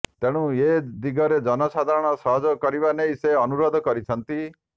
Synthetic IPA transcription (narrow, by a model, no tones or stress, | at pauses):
t̪eɽ̃ũed̪iɡɔɾed͡ʒɔnɔsad̪ʱaɾɔɽ̃ɔsɔɦɔd͡ʒɔkɔɾiβanejseɔnuɾɔd̪ʱɔkɔɾit͡ʃʰɔnt̪i